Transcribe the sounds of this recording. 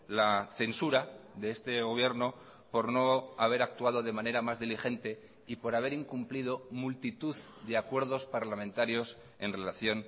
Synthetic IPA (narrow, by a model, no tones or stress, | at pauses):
laθe̞nsuɾaðe̞est̪e̞ɣo̞β̞je̞ɾno̞ | po̞ɾno̞aβe̞ɾak̚t̪uað̞o̞ðe̞mãne̞ɾamazðilixe̞nt̪e̞ | ipo̞ɾaβ̞e̞ɾiŋkumplið̞o̞mult̪it̪uðd̪e̞akwe̞ɾð̞o̞spaɾlamẽ̞nt̪aɾjo̞s | e̞nre̞laθjo̞n